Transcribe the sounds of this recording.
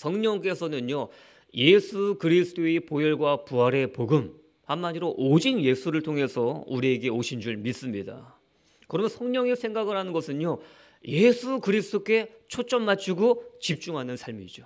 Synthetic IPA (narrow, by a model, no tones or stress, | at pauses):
sʰʌŋɲʌŋk͈e̞sʰʌnɯnjo | je̞sʰukɯɾisʰɯdʰoepojʌɭɡwapuɦaɾe̞poɡɯm | hanːad͡ʑiɾoʔd͡ʑinje̞sʰuɾɯɭtʰoŋɦe̞sʰʌuɾie̞ɡe̞oɕʰind͡ʑuɭmis͈ɯmɲida̰ | kɯɾʌmjʌnsʰʌŋɲʌŋesʰe̞ŋɡaɡɯɾɦanɯnɡʌsʰɯno | je̞sʰukɯɾisʰɯ̥t͈ʰok͈e̞t͡ɕʰot͡ɕ͈ʌmːat͡ɕʰiɡot͡ɕip̚t͡ɕ͈uŋɦanɯnsʰaɭmid͡ʑo